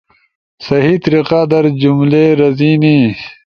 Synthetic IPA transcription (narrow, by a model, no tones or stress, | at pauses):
sɐɦit̪ɾiqaːd̪ɐɾd͡ʑumleɾɐziːni